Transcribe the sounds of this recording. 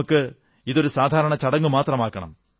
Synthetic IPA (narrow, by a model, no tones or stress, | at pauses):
ukːɨ | iðo̞ɾusaːd̪ʱaːɾɐɳɐt͡ɕɐɽɐŋːumaːt̪rɐmaːkːɐɳɐ̰m